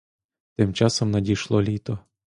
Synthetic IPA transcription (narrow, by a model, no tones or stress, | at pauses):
t̪ɪmt͡ʃɑsɔmnɐdʲiʃlˠɔlʲit̪ɔ